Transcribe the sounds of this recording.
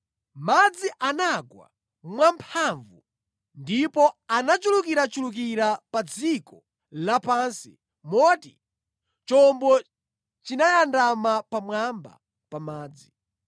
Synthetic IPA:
mad͡ziʔanaɡwa̰ | mwampʰaɱvṵ | ndipɔanat͡ʃulukiɾat͡ʃuluk̬iɾapad͡zikɔ | lapansḭ | mɔtḭ | t͡ʃɔmbɔ | t͡ʃinajandamapamwamba̰ | pamaːd͡zi

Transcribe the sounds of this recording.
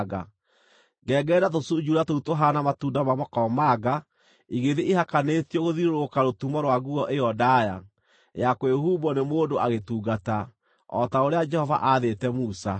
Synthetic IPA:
ɣa̰ | ɡɛːɡɛːdatosud͡ʒuɾatoutoɦanamatundamamɔkɔmaɡa | iɣeðeʔihakanetiɔɣoðiɾoɾokaɾotumɔɾwaɣuɔʔejɔdaja̰ | jakoehubɔnemoːndoaɣetuːɡata | ɔ̰taoɾead͡ʒɛhɔva̰ʔaðetɛmusa

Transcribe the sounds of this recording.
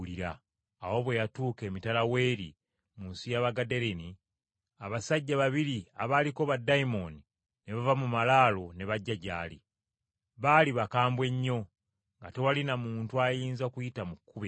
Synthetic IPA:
liɾaː | wo̞βwe̞jatuːke̞ːmitalawe̞ːɾi | muːnsijaβaɡade̞ɾeni | aβasaɟːaβaβiɾiaβaliko̞βadaimo̞ni | ne̞βavamumalaːlo̞ne̞βaɟːaɟa̰ːlḭ | βaliβakaːmbwe̞ɲːo̞ | ŋɡate̞walinamuːntuajiːnzaokujitamukːuβe

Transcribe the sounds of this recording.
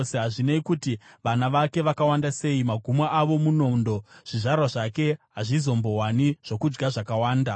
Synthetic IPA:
seɦaʐineikutiʋanaʋake̞ʋakawandase̞imaɡʱumaʔaʋo̞muno̞ndo̞ʐ̥iʐarwaʐake̞ɦaʐizo̞mbo̞ɦwaniʐ̥o̞kud͡ʒɡaʐakawaːnda

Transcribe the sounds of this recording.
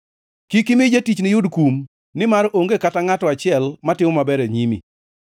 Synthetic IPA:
kikimɪd͡ʒetit͡ʃnɪjʊdkum | nɪmaɾoŋɡekataŋatɔat͡ʃɪɛlmatɪmɔmabɛɾeɲimḭ

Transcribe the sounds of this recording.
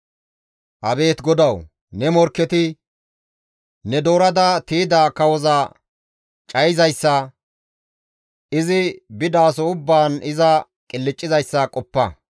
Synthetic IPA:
ʔɐbe̞ːt̪ɡɔd̪ɐw | nɛmɔɾkːɛt̪ɪ | nɛd̪o̞ːɾɐd̪ɐt̪iːd̪aːkɐwɔzɐ | t͡ʃʼɐjɪzɐjsːɐ | ɪzɪbɪd̪aːsɔʊbːaːnɪzɐ | kʼɪlːɪt͡ʃʼːɪzɐjsːɐkʼɔpːɐ

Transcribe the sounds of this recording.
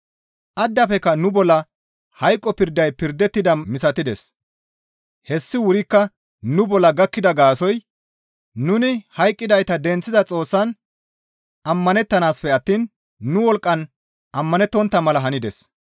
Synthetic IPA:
ʔɐd̪ːɐfɛkːɐnʊbɔlːɐ | hɐjkʼːɔpɪɾd̪ɐjpɪɾd̪ɛt̪ːɪd̪ɐmɪsɐt̪ɪd̪ɛs | hɛsːɪwʊɾɪkːɐ | nʊbɔlːɐɡɐkːɪd̪ɐɡaːsɔj | nʊnɪhɐjkʼːɪd̪ɐjt̪ɐd̪ɛnt͡sːɪzɐt͡sʼo̞ːsːɐn | ɐmːɐnɛt̪ːɐnaːspɛɐt̪ːiːnː | ʊwɔlkʼːɐn | ʔɐmːɐnɛt̪ːɔnt̪ːɐmɐlɐɦɐnɪd̪ɛs

